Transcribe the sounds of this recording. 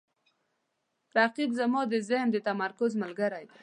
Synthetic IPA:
ɾaqibzamɑd̪əzɪhnd̪ət̪amaɾkʊzmalɡaɾaj

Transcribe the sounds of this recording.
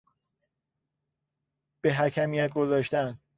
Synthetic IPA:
b̥eɦæcʰæmijæt̪̚ɡozɒːʃt̪æn

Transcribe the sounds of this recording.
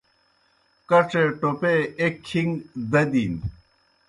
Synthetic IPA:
kɐʂeʈopeekʰːiŋɡd̪ɐd̪in

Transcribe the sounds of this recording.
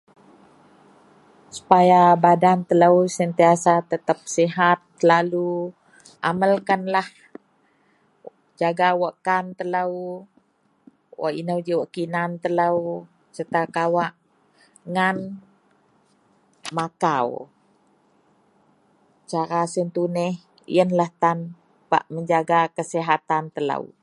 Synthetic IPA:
su̥pajabadant̪ələwsənt̪iasat̪ət̪əp̚siɦat̪̚lalu | ʔa̰məlkanlah | d͡ʒaɡawəʔkant̪ələw | wa̰ʔinəwd͡ʒiwaʔkinant̪ələw | sət̪akawaʔ | ŋan | makaw | t͡ʃaɾasənt̪unɛh | ḭənlaht̪an | pa̰ʔməɲd͡ʒaɡakəsiɦat̪ant̪ələ̰w

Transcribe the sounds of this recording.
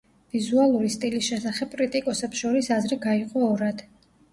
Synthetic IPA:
vizualˠuɾist̪ʼilisʃɛsaχɛb̥̚pʼɾit̪ʼikʼɔsɛpsʃɔɾisazɾiɡaiqʼɔːɾad̪̥

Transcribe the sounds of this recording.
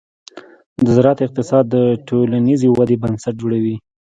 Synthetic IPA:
d̪əzɾɑt̪ɪq̚t̪ɪsɑd̪ːəʈʰolanizewad̪ebansaʈ̚d͡ʒoɽawi

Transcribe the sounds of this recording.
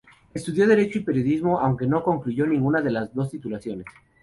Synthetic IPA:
est̪uðjo̞ðe̞ɾe̞t͡ʃoipe̞ɾjo̞ðizmo̞ʔawŋke̞no̞ko̞ŋkluʝo̞nĩŋɡunaðe̞lazðo̞s̬t̪it̪ulasjo̞ne̞s

